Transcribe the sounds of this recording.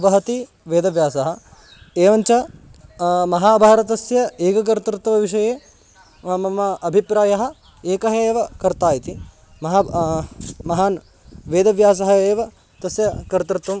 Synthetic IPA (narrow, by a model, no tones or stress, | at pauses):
ɐbɐɦɐt̪i | ʋeːd̪ɐʋjaːsɐɦɐ̆ | eːʋɐnt͡ʃɐ | mɐɦaːbʱaːɾɐt̪ɐsjɐeːkɐk̬ɐɾt̪ɾt̪ːɐʋɐʋiʂɐjeː | mɐmɐʔɐbʱipɾaːjɐɦɐ̆ | eːkɐɦɐeːʋɐkɐɾt̪aːjit̪i | mɐɦa | mɐɦaːn | ʋeːd̪ɐʋjaːs̬ɐɦɐeːʋɐ | t̪ɐsjɐkɐɾt̪ɾt̪ʋɐm